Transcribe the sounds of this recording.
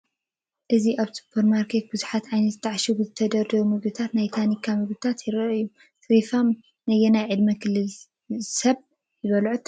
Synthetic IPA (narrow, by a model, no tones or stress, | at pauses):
ʔɨziʔaβsu̥pʰɐɾmaɾkʰet̪̚bɨzuħat̪ʕajnɐt̪zɨt̪ʰːaʕʃubɨzɨt̪ʰɐd̪ɐɾd̪ɐβumɨɡut̪ʰat̪najt̪ʰanikʰamɨɡut̪ʰat̪jɪɾɐɨjːu | t̪ɾifam | nɐjɛnajʕɨd̪mɐkʰɨlːɨl | sɐβ | jɪβɐlʕut̪